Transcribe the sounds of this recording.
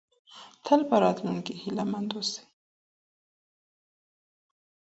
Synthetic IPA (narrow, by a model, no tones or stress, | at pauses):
t̪ʰəlpəɾɑt̪lunkehilamand̪ose̥